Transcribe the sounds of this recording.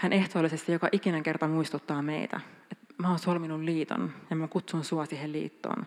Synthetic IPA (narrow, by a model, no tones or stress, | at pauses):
hænʔe̞ht̪oːlisest̪ijokɑʔikinæŋke̞rt̪ɑmuist̪ut̪ːɑːmḛit̪æ̰ | et̪mæonsuolminulliːt̪o̰njɑmækut̪sunsuɑsiːhellḭːt̪ːo̰ːn